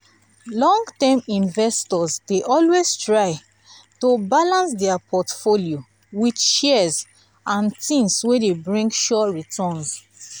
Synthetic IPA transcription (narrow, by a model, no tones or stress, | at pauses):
lɔ̃ŋɡtɛmĩnvɛstɔzdeʔɔlwestɹaɪ | tobalãnsdɛapʰɔtfolio | widʃɛz | ãntĩnswedebɹĩŋɡʃɔɹitʰɔ̃ns